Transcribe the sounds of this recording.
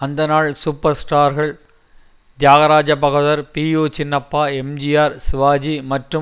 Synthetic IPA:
ɐnd̪ɐnaːɭsuːpːɐɾsʈaːɾɣɐɭ | d͡ʒaːɣɐɾaːd͡ʒɐpɐɣɯðɐɾpiːjoːt͡ʃɪnːɐpːaːɛmd͡ʒijaːɾsɪʋaːd͡ʒimɐʈrɯ

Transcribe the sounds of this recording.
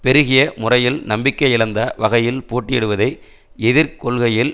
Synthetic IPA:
pɛɾɯɣɪjɐmʊrɐjɪlnɐmbɪkːɐɪɪɭɐnd̪ɐʋɐɣɐjɪlpoːʈːɪjɛɽɯʋɐðɐɪ | ɛðɪɾkɔɭɣɐjɪl

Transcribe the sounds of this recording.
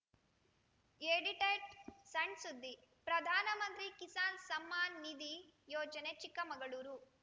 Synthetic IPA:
eːɽiʈɐjʈsɐɳɖsud̪ːi | pɾɐd̪ʱaːnɐmɐnt̪ɾikisaːnsɐmːaːnːid̪ijɔːd͡ʒɐnet͡ʃikːɐmɐɡɐɭuːɾu

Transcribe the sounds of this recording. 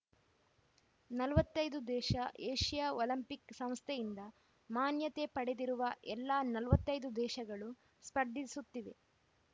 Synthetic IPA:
nɐlʋɐt̪ːɐjd̪ud̪ɛːʃɐʔeːʂijaːoːlɐmpiksɐm̃st̪ʰɛjind̪ɐ | maːnjɐt̪e̞pɐɽed̪iɾuʋɐʔɛlːaːnɐlʋɐt̪ːɐjd̪ud̪ɛːʃɐɡɐɭu | spɐɾd̪ʱisut̪ːiʋe̞

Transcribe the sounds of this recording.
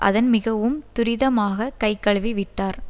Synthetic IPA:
ʔɐ̰ðɐnmɪɣɐʋɯmt̪ʊɾɪðɐmaːɣɐkɐɪkːɐɭʋiʋɪʈːaːɾ

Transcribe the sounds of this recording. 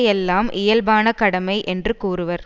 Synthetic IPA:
jɛlːaːmʔɪjɐlbaːnɐkɐɽɐmɐɪʔɛndrɯkuːrɯʋɐɾ

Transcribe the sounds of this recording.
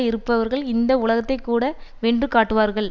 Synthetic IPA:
ɪɾɯpːɐʋɐɾɣɐɭɪnd̪ɐʊlɐɣɐt̪ːɐɪkːuːɽɐʋeːɳdrɯkaːʈːɯʋaːɾɣɐɭ

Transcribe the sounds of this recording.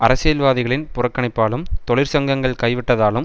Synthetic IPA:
ʔɐɾɐsejɐlʋaːðɪɣɐɭɪnpʊrɐkːɐɳɪpːaːlɯmt̪ɔɭɪɾsɐŋɡɐŋɡɐɭkɐɪʋɪʈːɐðaːlɯm

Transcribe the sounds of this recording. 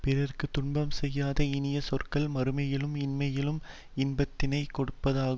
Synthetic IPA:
pɪrɐrkɯt̪ʊɳbɐmsɛjːaːðɐɪnɪjɐsɔrkɐɭmɐɾɯmɐjɪlɯmɪnmɐjɪlɯm | ɪnbɐt̪ːɪnɐɪkɔɽɯpːɐðaːɣ

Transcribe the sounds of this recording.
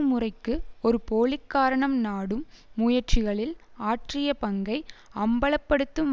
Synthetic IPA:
mɯrɐɪkːɯɔɾɯpoːlɪkːaːɾɐɳɐmnaːɽɯmː | ʊjɐrt͡ʃɪɣɐɭɪlaːʈrɪjɐpɐŋɡɐɪɐmbɐɭɐpːɐɽɯt̪ːɯm

